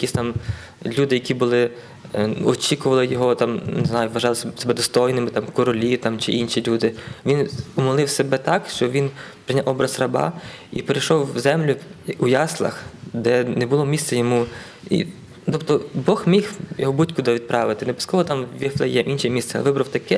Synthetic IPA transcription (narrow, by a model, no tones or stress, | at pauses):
jɐkʲisʲt̪ɑm | lʲud̪ɪjɐkʲibʊlˠɪ | ɔt͡ʃʲikʊʋɐlˠɪjɔɦɔt̪ɑmneznɑjʊʋɐʒɑlˠɪssebɛd̪ɔst̪ɔjnɪmɪt̪ɑmkɔɾɔlʲit̪ɑmt͡ʃɪʔinʃilʲud̪ɪʋʲinʊmɔlˠɪwsebɛt̪ɑkʃt͡ʃɔʋʲin | pɾɪnʲawɔbɾɐzrɐbɑ̰ | ipeɾejʃɔwzɛmlʲʊujɑslˠɐ̰xd̪ɛnɛbʊlˠɔmʲist̪sɛjɔmu | ḭ | t̪ɔbt̪ɔbɔxmʲixjɔɦɔbutʲkʊd̪ɐʋʲid̪̚pɾɑʋɪt̪ɪnebɪ̥skɔʋɔt̪ɑmʋʲiflˠɐjɛʔinʃɛmʲist̪sɛɐlʋɪbɾɐwt̪ɐkɛ